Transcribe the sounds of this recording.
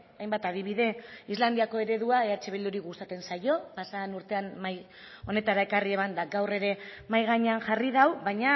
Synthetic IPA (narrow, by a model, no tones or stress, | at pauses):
ajmbat̪að̞iβ̞iðe̞izland̪iako̞e̞ɾe̞ð̞uae̞at͡ʃe̞β̞eld̪uɾiɣust̪at̪e̞nsajo̞pasanuɾt̪e̞anmaj | o̞ne̞t̪aɾae̞karie̞mand̪aɡawre̞ɾe̞majɣ̞aɲeanʝarið̞awβaɲa